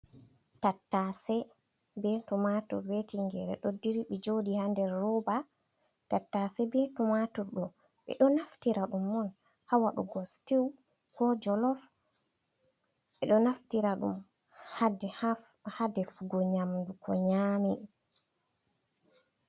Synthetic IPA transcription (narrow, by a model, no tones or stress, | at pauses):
tatːasɛ | bɛtumatṵɾwetiŋɡɛɾɛ̰ɗɔdiɾɓid͡ʒodihandɛɾːɔba | tatːasɛbɛtumatuɾɗɔ | ɓɛ̰ɗɔnaftiɾaɗumːɔn | hawaɗṵɡɔstiw | kɔd͡ʒɔlɔf | ɓɛɗɔnaftiɾaɗṵm | a | hadɛfuɡɔɲamdukʰɔɲami